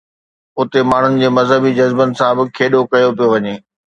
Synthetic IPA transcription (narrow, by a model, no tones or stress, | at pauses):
ʊt̪emaːɳ̤ʊnɪ̆d͡ʑeːmɐzɦəbid͡ʑɐzbənɪ̆sãbɪkʰeːɗokɐjopijoʋɐɲeː